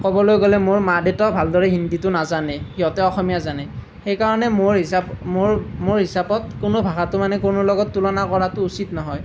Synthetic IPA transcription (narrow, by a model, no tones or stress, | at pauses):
kɔbɔlojɡolɛmoɹmadɛtɔbʱaldɔɹɛɦinditʊnazanɛkiɔtɛɔxɔmijazanɛ | xejkaɹɔnɛmoɹɦisabmoɹmoɹɦisapɔt̚kʊnobʱaɡatʊmanɛkʊnʊlɔɡɔtːulɔnakɔɹatʊusitnɔɦɔj